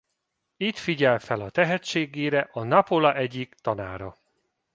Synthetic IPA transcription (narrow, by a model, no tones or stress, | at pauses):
it̪fiɟɛlfɛlɒt̪ɛɦɛt͡ʃeːɡeːɾɛʔɒnɒpolɒʔɛɟikt̪ɒnaːɾɒ